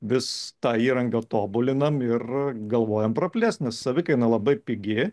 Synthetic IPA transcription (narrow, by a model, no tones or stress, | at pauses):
ʋʲɪst̪ɑːiːɾɐŋɡɐt̪oːbʊlʲɪnɐmɪrɡɐlˠʋoːjɛmpɾɐpʲlʲæːsnʲɛssɐʋʲɪkɐɪnɐlˠɐbɐɪpʲɪɡʲɪ